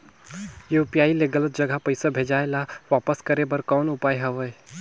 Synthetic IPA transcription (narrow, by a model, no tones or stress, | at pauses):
joːpjaːileɡələt̪̚d͡ʒɐɡʱapəɪsabʱeːd͡ʒaːelaʋaːpəskəɾebəɾkɔːnʊpaːjɦəʋəe